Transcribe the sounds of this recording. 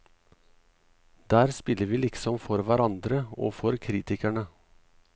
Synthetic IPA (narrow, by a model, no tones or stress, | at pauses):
d̪̥æːɾspɪləɾʋiːlɪksɔmfɔɾʋæɾɑnd̪ɾəo̰ːfɔɾkʰɾiːt̪ɪkæɳə